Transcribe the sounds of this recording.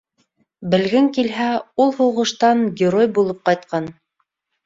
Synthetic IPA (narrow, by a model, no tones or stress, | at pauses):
bɘ̆lɡɘŋkilɦæulˠhuʁɤ̆ʃt̪ɑŋɡʲɪɾojbulˠɤp̚qɑjt̪̚qɑn